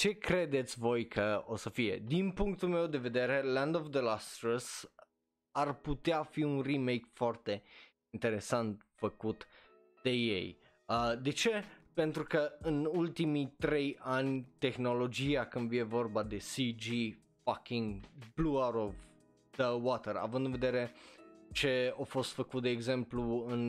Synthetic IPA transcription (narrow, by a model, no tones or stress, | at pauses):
t͡ʃe̞kɾe̞d̪e̞t̪sʲvo̞jkʰəo̞səfije̞̰d̪inpuŋk̚t̪ulmewd̪e̞ve̞d̪e̞ɾe̞lãnd̪ovd̪əlast̪ɾəs | arput̪eafiunrime̞jkfoart̪e̞ | int̪e̞ɾe̞sant̪fəkut̪ | d̪̥e̞jḛj | əd̪e̞t͡ʃe̞pe̞nt̪ɾukəɨnult̪imit̪ɾe̞janʲt̪e̞xno̞lo̞d͡ʒiakɨnd̪vje̞vo̞rbad̪e̞sid͡ʒi | fakiŋɡbluaɾov | d̪əwat̪eɾa̰vɨnd̪ɨnve̞d̪e̞ɾe̞t͡ʃe̞ofo̞st̪fəkut̪̚d̪e̞ːɡze̞mpluɨn